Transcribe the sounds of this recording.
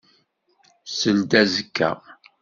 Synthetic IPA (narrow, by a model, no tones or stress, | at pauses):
səld̪æzəkːæ̰